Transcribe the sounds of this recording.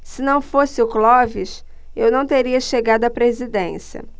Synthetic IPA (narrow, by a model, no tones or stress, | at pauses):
sɪnɐ̃w̃fosɪʊklɔvɪʃ | ewnɐ̃w̃t̪eɾiɐʃeɡad̪ʊɐpɾezid̪ẽsiɐ̰